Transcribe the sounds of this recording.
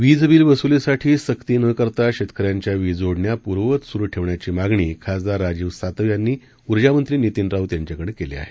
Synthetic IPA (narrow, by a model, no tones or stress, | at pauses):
ʋid͡zbiːlʋəsulesaʈʰiːsəkt̪iːnəkəɾt̪aɕet̪kʰəɾjaɲt͡ɕjaʋid͡zoɽɳjapuɾʋət̪suɾuːʈʰeʋɳjat͡ɕiːmaɡɳiːkʰasd̪aɾad͡ʑiːʋsat̪əʋjanːiː | uɾd͡ʑamənt̪ɾiːnit̪iːnɾaut̪jaɲt͡ɕjakəɽekelḛa̰ɦe̥